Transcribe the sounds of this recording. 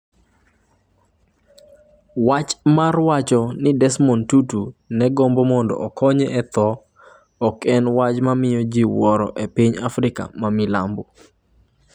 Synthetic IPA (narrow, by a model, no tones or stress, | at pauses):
wat͡ʃmarwat͡ʃɔnɪdɛsmɔntutunɛɡɔmbomɔndɔ̰ʔɔkʰɔɲɛʔɛt̪ɔː | kɛnwat͡ʃmamɪjɔd͡ʒiwɔɾɔ̰ʔepiɲafɾɪka̰mamila̰mbu